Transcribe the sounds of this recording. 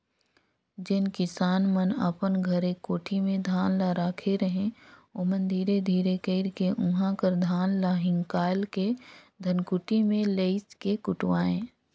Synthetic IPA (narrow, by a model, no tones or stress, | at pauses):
d͡ʒɪnkɪsaːnmənə̰pənɡʱəɾekoːʈʰimẽd̪ʱaːnlaɾaːkʰeɾəɦẽoːmənd̪ʱiːɾed̪ʱiːɾekeɪɾkeʔʊɦãkəɾd̪ʱaːnlaɦɪ̃ŋkaːɪlked̪ʱənkʊʈimẽleɪskekʊʈwaːẽː